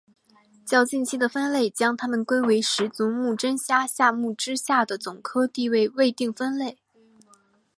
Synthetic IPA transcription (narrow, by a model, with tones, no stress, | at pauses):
t͡ɕjɑ˥˧ʊt͡ɕi˥˩nt͡ɕʰi˥d̪ə˨fə˥nle˥˩ɪt͡ɕjɑ˥ŋt̪ʰa˥mə˨nkwe˥ɪwe˧˥ɪʂɻ̩˧˥t͡su˧˥ŋmu˥˩ʈ͡ʂə˥nɕja˥ɕja˥˧mu˥˩ʈ͡ʂɻ̩˥ɕja˥˩d̪ə˩t͡sʊ˨˩ŋkʰɤ˥t̪i˥˧we˥˧ɪwe˥˧ɪt̪i˥˩ŋfə˥nle˥˩ɪ